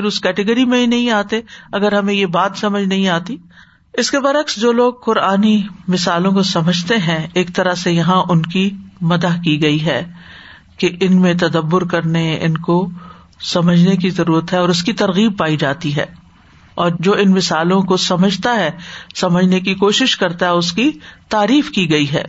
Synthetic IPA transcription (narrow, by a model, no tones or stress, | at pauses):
ɪɾʊskɛːʈəɡəɾimẽɦinɐɦĩaːt̪eɐɡəɾɦɐmẽjebaːt̪sɐməd͡ʒʱnɐɦĩaːt̪i | ɪskebɐɾɐksd͡ʒoːloːɡ̚qʊɾaːnimɪsaːlõkosɐməd͡ʒʱt̪eɦɛ̃eːk̚t̪ɐɾəsejɐɦãʔʊnkimɐd̪akiɡɐiɦɛː | keʔɪnmẽt̪ɐd̪əbːʊɾkɐɾneʔɪnko | sɐməd͡ʒʱnek̬izɐɾuːɾət̪ɦɛɔːɾʊskit̪ɐɾɣiːb̚paːid͡ʒaːt̪iɦɛ̰ː | ɔːɾd͡ʒoːɪnmɪsaːlõkosɐməd͡ʒʱt̪aɦɛsɐməd͡ʒʱnekikoːʃɪʃkɐɾt̪aɦɛʊskit̪aːɾiːfkiɡɐiɦɛ̰ː